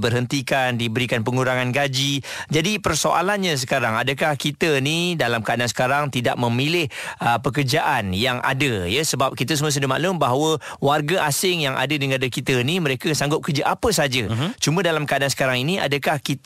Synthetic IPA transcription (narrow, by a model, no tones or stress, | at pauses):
bərɦənt̪ikandibəɾikanpəŋuɾaŋanɡad͡ʒid͡ʒadipərsoʔa̰lanɲas̬əkaɾaŋadəkahkit̪ənidalamkəadans̬ə̥kaɾaŋt̪ida̰ʔ̚mə̃milɪhəpəkərd͡ʒaʔanjaŋʔa̰dəjəsəbap̚kit̪əs̬uməs̬udəma̰ʔlʊmbaɦawə | warɡaʔasɪŋjaŋa̰dədiŋɡadakit̪əniməɾekəsaŋɡʊp̚kərd͡ʒəʔapəsad͡ʒət͡ʃumə̃dalamkəadans̬ə̥kaɾaŋinia̰dəkahkit̪